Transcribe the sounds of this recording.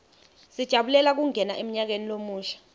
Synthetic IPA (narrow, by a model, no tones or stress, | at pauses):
sid̥ʒ̥ʱaɓulɛlak̬uŋɛnaʔem̩ɲak̬enilomuːʃḁ